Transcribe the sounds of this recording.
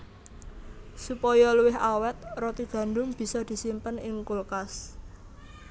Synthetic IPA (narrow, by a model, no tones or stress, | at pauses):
supɔjɔluwɪɦawɛt̪̚rɔt̪iɡ̥ä̤ndʊŋb̥i̤sɔd̪̥i̤simpənɪŋkulkas